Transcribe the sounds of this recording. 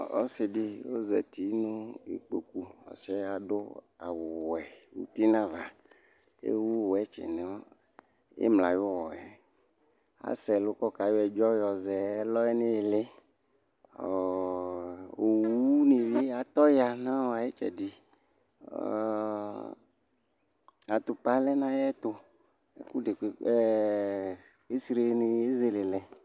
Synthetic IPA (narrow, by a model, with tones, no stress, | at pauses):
o̰˦se˨ɖi˦wo˦zɛ˨t̪i˨˦nũ˦ḛ˨k͡po̰˨ku˨ɔ̰˨sɛ˦a˨ɖo˦ | a˨wo˨wɛ˨wṵ˨t̪i˦nã˦va˨ | ḛ˦wu˦˨wo˨ɛ˦t͡ʃɛ̰˨nẽ˨wɔ˦ | jḛ˦mla˨jo˦wɔ˨ɛ˨ | a̰˨˦sɛ˨lo˦kɔ˦ka˨jo˦ɛ˨d͡ʒɔ˦jɔ˨zɛ˨˦lɔ˦ɛ˦nẽ˦e˨le˦˨ | o˨wu˦ni˨be˦a˨t̪ɔ˦ja˨nã˦wo˨a˨je˦t͡ʃɛ̰˨di˨ | a˨t̪o˨pa˦lɛ˦nã˦jɛ˦t̪o˦ | e˦ku˦de˨ke˨ɛ˦ | e˦si˦ɾe˦ne˨e˦ze˦le˨lɛ˨